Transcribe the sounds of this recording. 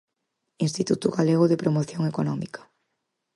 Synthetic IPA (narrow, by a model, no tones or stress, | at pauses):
inst̪it̪ut̪ʊɣaleɣ̞ʊðɪpɾomoθjoŋekonɔmikɐ̥